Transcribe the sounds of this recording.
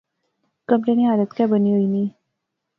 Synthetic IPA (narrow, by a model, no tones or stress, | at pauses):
kəmɾeniad̪ət̪kjabəniʋəiniː